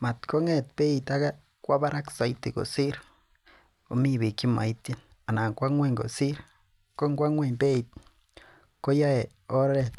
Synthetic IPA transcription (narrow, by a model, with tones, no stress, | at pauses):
ma˨t̪ko˦ŋe˦t̪pe˦it̪a˦ɡa˦ | kʷa˦ba˦ɾa˦ksa˨jt̪e˨ɡo̰˨si˦ɾ | o˨mi˦βi˨ki˦ma̰˨jt̪e˦n | a˨na˨ŋkʷa˦ŋwe˦˧˨ŋɡo̰˨si˦ɾ | ko˦ŋɡʷa˦ŋʷe˧nbe˦i˨t̪̚ | ko˦ja˦e˨ | o˦ɾɾe˨t̪